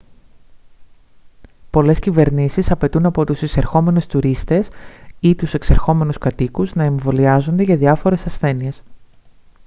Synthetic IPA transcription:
po̞le̞scive̞ɾnisisɐpe̞t̪unɐpo̞t̪usiseɾxo̞me̞nust̪uɾist̪e̞sit̪use̞kseɾxo̞me̞nuskɐt̪ikuznɐeɱvo̞liɐzo̞nd̪e̞ʝɐðiɐfo̞ɾe̞sɐsθe̞nie̞s

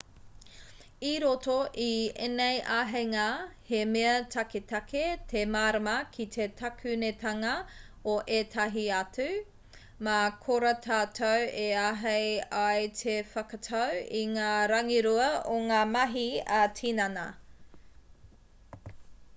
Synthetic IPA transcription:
iɾotoʔiḛnejʔaːɦejŋaːhemeɐtʰɐketɐketʰemaːɾɐmɐkʰit̪ʰetʰɐkʰʉnetʰɐŋɐ | oʔetʰɐɦiɐtʉ | makʰoɾɐtʰaːtʰoweaɦejajtʰefɐkɐtʰɐwiŋaːɾɐŋiɾuɐoŋaːmɐɦiɐtʰinɐnɐ

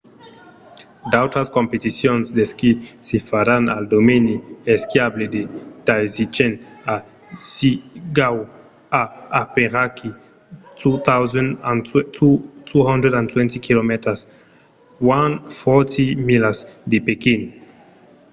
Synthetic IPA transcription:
dawtaskompetisjonsdeskisifaɾana̰ldomenieskjabledetajzit͡ʃena | siɡaw | aapeɾakʰi | tut̪awzɛnanutʰuhandɾedantwɛntikʰilometas | wanfɔtʰimilasdepekin

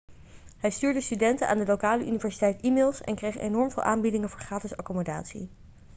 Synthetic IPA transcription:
ɦɛjstyːɹdəstydɛntənʔaːndəlokaːləʔynivɛɹsitɛjtimeːlˠsɛ̰nkrejχḛjnɔɹmvɪːlˠʔaːmbidɪŋəvʊːɹχraːtəsɑkɔmoda̰ːtsḭ

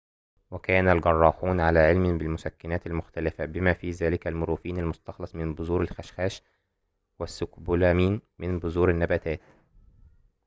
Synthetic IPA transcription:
wækæːnælɡɑrˤːɑːħuːnʕalæːʕɪlmɪbɪlmʊsækːɪnæːt̪ɪlmʊxt̪ælɪfæbɪmæːfiːzæːlɪkælmʊɾuːfiːnalmʊst̪ɑxlɑsˤmɪnbʊzuːɾɪlxæʃxæːʃ | wæsːʊkbulæːmiːnmɪnbʊzuːɾɪnːæbæt̪æːt̪

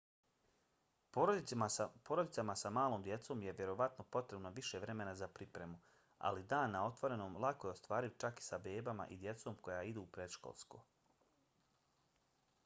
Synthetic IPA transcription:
oɾod̪ipoɾo̞d̪it̪samasamaːloːmd̪je̞t̪so̞ːmje̞ʋje̞ɾo̞ʋat̪no̞po̞t̪ɾe̞bnoʋiʃe̞ʋɾe̞me̞nazapɾipɾe̞mu | a̰lid̪aːnːao̞t̪ʋo̞ɾe̞noːmlˠakoje̞o̞st̪ʋaːɾiʋt͡ʃaki̥sabe̞ːbama̰ʔid̪je̞t̪so̞ːmko̞jaːid̪uːpɾe̞d̪ʃko̰lˠsko̰

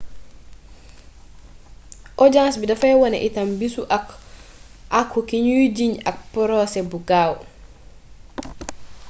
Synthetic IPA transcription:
ʔɔd͡ʒansbidafajwɔnɛ̰ʔitambisuʔak | ʔakʰːɔkiɲud͡ʒiɲak̚pɔɾɔsɛbuɡaːwɔ

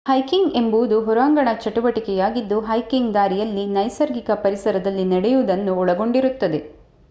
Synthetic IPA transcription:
hɐjkiŋɡe̞mbuʋud̪uɦɔɾaːŋɡɐɳɐt͡ʃɐʈuʋɐʈikɛjaːɡid̪ːuɦɐjkiŋɡd̪aːɾijɐlːinɐjsɐɾɡikɐpɐɾisɐɾɐd̪ɐlːiniɽɛjuʋd̪ɐnːuɔɭɐɡo̞ɳɖiɾut̪ːɐd̪e̞

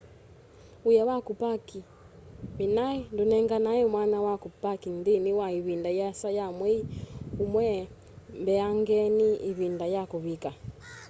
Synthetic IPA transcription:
ujawakupaki | minaindunɛŋɡanaɛmwanawakupakindiniwaiβindajasajamwɛiumwɛ | mbɛaŋɡɛniiβindajakuβika

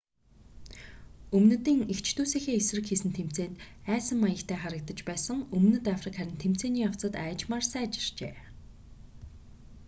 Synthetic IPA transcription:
ɵmnɘ̆t̪iːŋekt͡ɕʰt̪ʰuːseːxeːesrɘ̆kxiːsɘ̆nt̪ʰem̥t͡seːnt̪æːsə̆mːajə̆kt̪ʰæːχaɾə̆k̚t̪ə̆t͡ɕpæːsə̆ŋɵmnɘ̆t̪afrikχæɾʲɪ̆nt̪ʰem̥t͡seːniːaw̥t͡sə̆t̪æːt͡ɕmaːrsæːt͡ɕɪ̥̆r̥t͡ɕeː

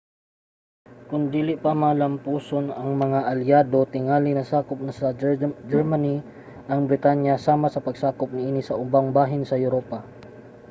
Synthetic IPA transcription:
kʊnd̪iːlɪʔpamalɐmpuːsonɐŋmɐŋaʔɐljaːd̪o̞t̪ɪŋaːlɪŋnɐsaːkʊp̚nɐsɐd͡ʒɛɹmani | ʔɐŋbɾɪt̪anjɐsaːmasɐpɐɡsaːkʊp̚nɪʔiːnɪsɐʔʊbaŋbaːɦɪnsɐjʊɾoːpa

